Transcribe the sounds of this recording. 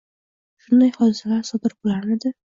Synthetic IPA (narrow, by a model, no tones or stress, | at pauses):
ʃʊnd̪ajhɒd̪ɪsalaɾsɒd̪ɪɾbolaɾnɪd̪ɪ